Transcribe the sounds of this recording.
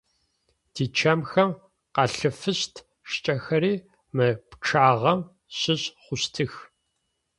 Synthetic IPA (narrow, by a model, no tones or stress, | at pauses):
d̥iːt͡ʃʰɐmxɐm | qɑɬɨfɨɕtʰ | ʃt͡ʃʼɐxɐɾiː | mɨpʈ͡ʂʰaːʁɐm | ɕɨɕχʷʊɕtʰɨx